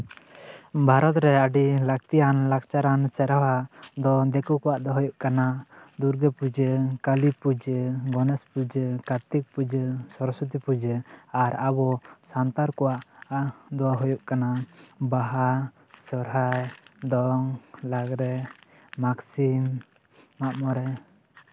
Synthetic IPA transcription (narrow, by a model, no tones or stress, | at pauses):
bʱaɾɔt̪ɾɛaɖilak̚t̪ijanlakt͡ʃaɾansɛɾawad̪ɔd̪ɛkukɔwaʔd̪ɔɦɔjuʔkanad̪uɾɡɛpud͡ʒəkalipud͡ʒəɡɔnɛspud͡ʒəkat̪ik̚pud͡ʒəsɔɾɔsut̪̬ipud͡ʒəaɾabɔsant̪aɾkɔwaʔd̪ɔaɦɔjɔʔkanabaɦa | sɔɾɦajd̪ɔŋlaɡɾɛ | maksimː | aʔmɔɾɛ